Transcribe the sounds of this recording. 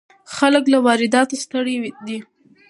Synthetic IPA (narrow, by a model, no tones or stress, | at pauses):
xaləklawɑɾɪd̪ɑt̪ost̪əɽewd̪i